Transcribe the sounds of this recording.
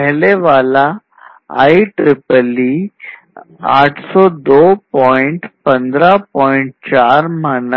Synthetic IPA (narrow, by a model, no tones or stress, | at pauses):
əɦleʋala | a̰iʈɾipəli | aʈʰsɔd̪opɔiɳʈpənd̪ɾapɔiɳʈ̚t͡ɕaɾmanə